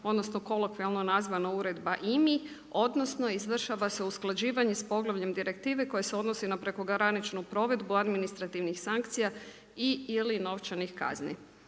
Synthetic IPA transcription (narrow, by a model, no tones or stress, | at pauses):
o̞d̪no̞sno̞ko̞lokʋialˠno̞nazʋanauɾe̞d̪baʔimi | o̞d̪no̞sno̞izʋr̩ʃaʋaseusklˠad͡ʑiːʋaɲespo̞ɡlˠaʋʎe̞md̪iɾe̞kt̪iːʋe̞ko̞jeseo̞d̪no̞sinapɾe̞ko̞ɡɾanit͡ʃnupɾo̞ʋe̞d̪buad̪minist̪ɾat̪iʋnixsaŋk̚t̪sija | iilino̞ʋt͡ʃanixka̰znḭ